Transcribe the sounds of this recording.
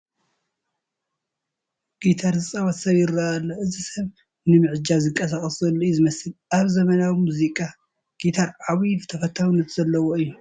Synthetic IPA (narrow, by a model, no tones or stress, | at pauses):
ɡ̥it̪ʰaɾɨsʼawat̪sɐβjɪɾaʔalːoʔɨzisɐβ | nɨmɨʕɨd͡ʒazɨŋkʼɐs̬akʼɐsɐlːujuzɨmɐsɨlʔaβzɐmɐnawimuzikʼa | ɡ̥it̪ʰaɾʕawiβɨt̪ʰɐfɐt̪ʰːawnːɐt̪z̥ɐlːɐwoɨjːu